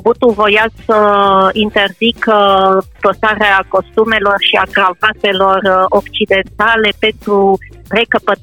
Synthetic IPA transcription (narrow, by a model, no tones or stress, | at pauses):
but̪uvo̞jasəint̪e̞rzik | p̪osaɾeako̞st̪ume̞lo̞rʃiaɡɾavat̪e̞lo̞rokt͡ʃid̪e̞nt̪ale̞pe̞nt̪ɾure̞kəpə